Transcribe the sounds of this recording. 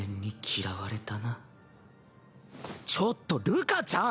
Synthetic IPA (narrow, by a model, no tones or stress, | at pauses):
ẽɲ̟ːikʲʰiɾaβaɾe̞t̪ana | t͡ɕot̪ːo̞ɾɯ̟kat͡ɕã